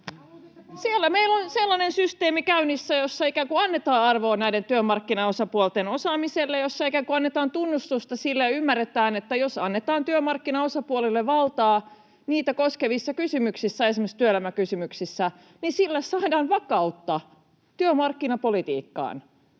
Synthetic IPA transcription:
sielːæmeilːonselːɑnensyst̪eːmikæynisːæjosːɑikækuɑnːet̪ɑːɑrʋo̞ːnæident̪yømɑrkːinɑosɑpuolt̪enosɑːmiselːejosːɑikækuɑnːet̪ɑːnt̪unːust̪ust̪ɑsilːæymːærːet̪æːne̞t̪ːæjosɑnːet̪ɑːnt̪yømɑrkːinɑosɑpuolilːeʋʋɑlt̪ɑː | niːt̪ækoskeʋisːɑkysymyksisːæesimest̪yølæmækysymyksisːæ | nisilːæssɑːdɑːnʋɑkɑut̪ːɑ | t̪yømɑrkːinɑpolit̪ḭːkːɑ̰ːn

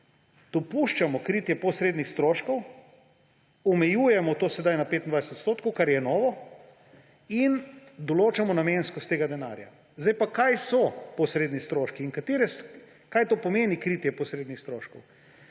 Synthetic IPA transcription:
d̪̥ɔpuʃt͡ʃamɔkɾiːt̪jɛpɔsɾed̪nixst̪ɾoːʃkɔw | ɔmɛjuːjɛmɔt̪oːsɛd̪ajnapet̪ind̪ʋajsɛt̪ot̪st̪oːt̪̚kɔwkaɾjɛnɔːʋɔ | ind̪ɔloːt͡ʃamɔnamẽnskɔst̪ːeːɡad̪ɛna̰ːɾja̰ | zd̪ajpakajsɔpɔsɾeːd̪nist̪ɾoːʃkiːŋkat̪eːɾɛs | kajt̪oːpɔmeːnikɾit̪jɛpɔsɾeːd̪nixst̪ɾoːʃkɔw

